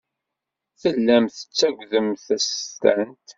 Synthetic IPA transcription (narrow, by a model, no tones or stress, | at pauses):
θəlːæmθə̥t͡sːæɡʷðəmθæst̪ænt̪